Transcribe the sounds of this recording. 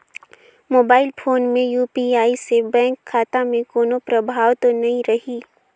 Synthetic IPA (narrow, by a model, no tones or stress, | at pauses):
moːbaːɪlpʰoːnmẽjuːpiaːisebɛ̃ːŋkʰːaːt̪amẽkoːnopɾɐbʱaːʋt̪onɐɦĩɾɐɦiː